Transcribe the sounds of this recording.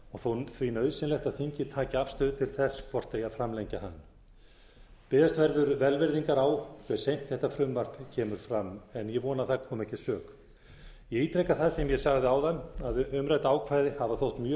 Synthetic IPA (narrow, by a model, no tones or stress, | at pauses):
ɔɣθowθvinœɥðsɪnlɛht̪aðθiɲcɪt̪ʰaːcaafst̪œːðʏt̪ʰɪlθɛspɔr̥t̪ejaðfɾamlejɲcaha̰nː | pɪðast̪vɛɾðʏɾvɛlvɛɾðiŋkaɾaːwkʰvɛɾsejm̥t̪ʰθɛht̪ːafɾʏmvar̥pcʰɛːmʏɾ̥fɾamɛnjɛvɔːnaθakʰɔːmɛhcɪsœːk | jɛiːt̪ɾejkːaθaðsɛmjɛsaɣðɪawðanaðʏmɾajt̪aːwkʰvajðɪhavaθowht̪mjœː